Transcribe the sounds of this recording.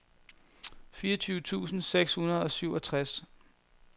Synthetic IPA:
fiːɐt͡sʰyːʊt͡sʰṵːsn̩seɡ̥shunɐð̞̩ˠɒ̽syʊɒt͡sʰʁas

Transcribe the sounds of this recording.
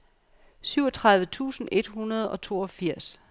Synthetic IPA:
syʊ̰ɒ̽t͡sʰʁɑ̈ðˠʋət͡sʰṵːsn̩e̝d̥hunɐð̞ˠɒ̽t͡sʰo̝̰ːɒ̽fiɐ̰s

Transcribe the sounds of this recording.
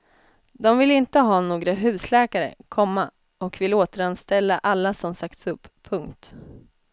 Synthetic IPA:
d̪ɔmvɪlɪnt̪əɦɑːnoːɡɾaɦʉ̟ːslɛːkaɾə̰kʰɔmːa | ɔkvɪloːt̪əɾanst̪ɛlːaʔalːasɔmsakt̪sɵpːʰɵŋkt̪

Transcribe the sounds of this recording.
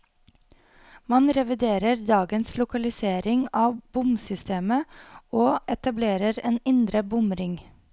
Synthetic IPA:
mɑnɾɛʋɪd̪eːɾəɾd̪ɑːɡənslʊkɑlɪseːɾɪŋɑːbʊmsʏst̪eːməoːʔɛt̪ɑbleːɾəɾeːnɪnd̪ɾəbʊmɾɪŋ

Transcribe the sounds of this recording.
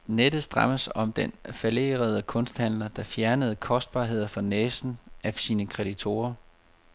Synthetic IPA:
ned̥əsd̥ʁɑ̈məsɒ̽md̥enfæle̝̰ːʁɐð̞ˠəkʰɔ̽nsd̥hæn̰lɐd̥ɑ̈fjæɐnəð̞̩ˠəkʰɒ̽sd̥̚b̥ɑ̈ːɦe̝ð̞̰ˠɐfɒ̽nɛːsn̩æsiːnəkʰʁɛd̥it͡sʰo̝̰ːɐ

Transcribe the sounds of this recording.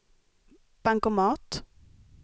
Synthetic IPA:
b̥aŋkɔmɑːt̪

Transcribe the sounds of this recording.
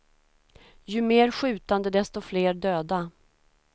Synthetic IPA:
jɵmeːɾɧʉ̟ːt̪and̪əd̪ɛst̪ɔfleːɖøːd̪a

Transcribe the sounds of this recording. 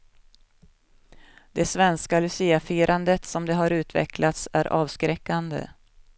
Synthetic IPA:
d̪̥ɛsvɛnskalɵsiːafiːɾʔand̪ət̪sɔmd̪ɛɦaɾʉ̟ːt̪vɛ̰klat̪sæɾʔɑːvskɾɛkːand̪ə̰

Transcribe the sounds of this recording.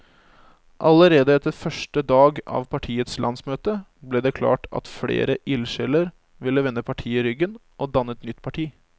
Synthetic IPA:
ʔɑləɾeːd̪əɛt̪ːəɾfœʂʈəd̪ɑːɡɑ̰ʋpʰɑʈʰiːət̪slʔɑ̰nsmøːt̪ə | blɛd̪ɛkʰlɑ̰ːʈʰɑ̰t̪flḛːɾəʔɪlʃɛləɾ | ʋɪlːəʋɛnːəpʰɑʈʰiːɪɾʏɡən | ʔɔd̪ɑnːət̪nʏt̪ːpʰɑʈʰiː

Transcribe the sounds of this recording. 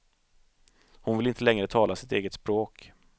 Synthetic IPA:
hʊnvɪlɪnt̪əlɛŋɾət̪ʰɑːlasɪt̪eːɡət̪spɾoːk

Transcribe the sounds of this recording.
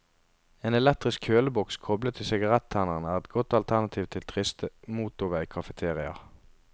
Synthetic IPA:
eːnɛlɛk̚t̪ʁɪskʰøːləbɔkskʰɔblət̪ʰɪlsɪɡɑʁɛt̪ʰːæːnəʁnəæːʁɛt̪̚ɡɔt̪ɑlt̪ʰæʁnɑt̪ʰiːʋt̪ʰɪlt̪ʰʁɪst̪əmuːt̪ʊʋəikʰɑfət̪ʰeːʁɪɑ̰

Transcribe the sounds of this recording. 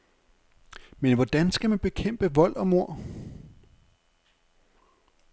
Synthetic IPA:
menʋɒd̥ænsɡ̥æmænb̥e̝kʰem̰b̥əʋɒ̽l̰ʔɒ̽mo̝ɐ̰

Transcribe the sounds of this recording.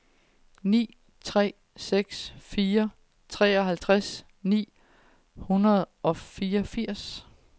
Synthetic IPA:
nḭː | t͡sʰʁɛ̰ː | seɡ̥sfiːɐ | t͡sʰʁɛ̰ːɒ̽ɦælt͡sʰʁas | nḭː | hunɐð̩ˠʔɒ̽fiːɒfiɐ̰s

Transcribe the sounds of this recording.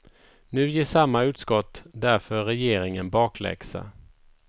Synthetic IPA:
nʉ̟ːjeːʂamːaʉ̟ːt̪skɔt̪ːd̪æɾfœɾɛjeːɾɪŋənbɑːklɛ̰ɡksa̰

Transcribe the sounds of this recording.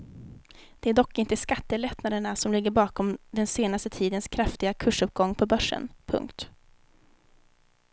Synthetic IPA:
d̪̥ɛæɖɔkːɪnt̪əskat̪ːəlɛt̪nad̪əɳasɔmlɪɡːəɾbɑːkɔmd̪ɛnseːnast̪ət̪ʰiːd̪ənskʰɾaft̪ɪɡakʰɵʂɵp̚ːɡɔŋːpʰɔbœʂːə̰npʰɵ̰ŋkt̪

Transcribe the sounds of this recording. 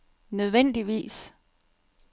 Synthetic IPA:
nøð̞ˠʋen̰d̥iʋḭːs

